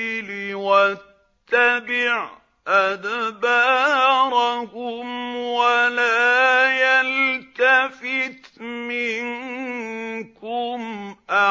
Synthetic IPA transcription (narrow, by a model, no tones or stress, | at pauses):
liwat̪ːabɪʕ | ʔad̪bɑɾˤakʊmwalaːjalt̪afɪt̪mɪŋ | kʊmʔa